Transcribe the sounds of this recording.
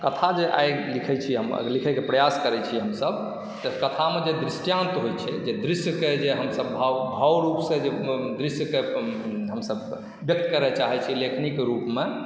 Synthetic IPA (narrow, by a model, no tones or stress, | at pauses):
kət̪ʰad͡ʒeʔa̰jɡlikʰɛt͡ʃʰiɦəm̰likʰɛkepɾəjaskəɾɛt͡ʃʰiɦəmsəb | t̪əkət̪ʰamed͡ʒed̪ɾisʈjãnt̪ɦojt͡ʃʰɛd͡ʒed̪ɾisjked͡ʒeɦəmsəbːʱabʱawɾupsẽd͡ʒed̪ɾisjəkeɦəmsəb | bjək̚t̪kəɾɛt͡ʃaɦɛt͡ʃʰilekʰnikɾupme